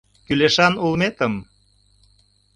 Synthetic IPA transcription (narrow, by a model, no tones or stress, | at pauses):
kyleʃɑnulmet̪əm